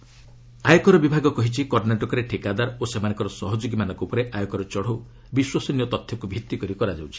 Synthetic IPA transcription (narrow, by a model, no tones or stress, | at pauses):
ajɔkɔɾɔbibʱaɡɔkɔɦit͡ʃʰikɔɾnaʈɔkɔɾeʈʰikad̪aɾosemanɔ̃ŋkɔɾɔsɔɦɔd͡ʒoɡimanɔ̃ŋkɔupɔɾeʔajɔkɔɾɔt͡ʃɔɽ̤ow | biswasɔniɔt̪ɔt̪ʰjɔkubʱit̪ːikɔɾikɔɾad͡ʒawt͡ʃʰi̥